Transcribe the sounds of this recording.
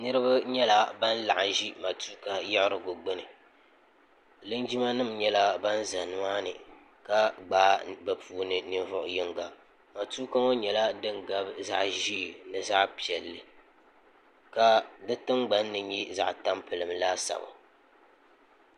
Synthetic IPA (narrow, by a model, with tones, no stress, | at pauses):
nɨ˦ɾɨ˦ba˦ɲɛ˦la˦ba˦n˦la˨ʔa˨ʒi˦ma˨tu˦ka˨jɛ˦ʔɾɨ˨ɡo˨ɡ͡bɨ˦nɨ˨ | lɨ˦nd͡ʒi˦ma˦nɨ˦mɲɛ˦la˦ba˦n˦za˨nɨ˦maː˦nɨ̰˨ | ka˦ɡ͡baː˦ba˨pʰuː˦nɨ˨nɨ˦vʊ˦ʔʊ̰˨jɪ˦ŋɡa˨ | ma˨tu˦ka˦ŋo˦ɲɛ˨la˦dɨ˦ŋɡa˨bza̰˨ʔʒi˦˨nɨ˨za˦ʔpi˨ɛ˨lːɨ˨ | ka˨dɨ˦tɨ˦ŋɡ͡ba˦nːɨ˨ɲi˦za̰˨ʔta˦mpɨ˨lɨ˨mlaː˦sa̰˨ba̰˨